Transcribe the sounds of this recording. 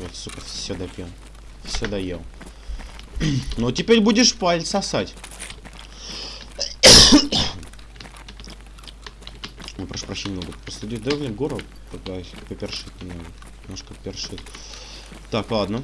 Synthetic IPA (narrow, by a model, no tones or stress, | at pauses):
jasupʲɪrfsʲod̪ɐpʲilˠ | fsʲod̪ɐjelˠ | notʲɪpʲeɾʲbudʲɪʂpalʲt̪səɐsatʲ | mʲəpɾɐʂu̥pɾɐɕenʲɪmnoɡəpəslʲɪdʲid̪ɛɡlʲɪɡoɾət̪ | p̪ɐɡd̪ajpəpʲɪrʂɨt̪̚ʲnʲɪmnoɡ̪ʲ | ɪmnoʂkəpʲɪrʂɨt̪ʲ | t̪aklˠad̪nə